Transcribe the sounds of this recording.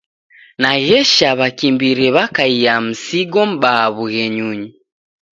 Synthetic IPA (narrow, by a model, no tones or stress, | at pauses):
naɣɛʃaβakimbiɾɛβakaijam̩siɡɔm̩baːβuɣɛɲuɲi